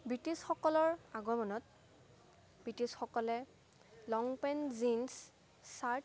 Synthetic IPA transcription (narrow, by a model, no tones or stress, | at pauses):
bɹitisxɔkɔlɔɹaɡɔmɔnɔt̚ | b̥ɹitisxɔkɔlɛ | lɔŋpɛnzins | saɹt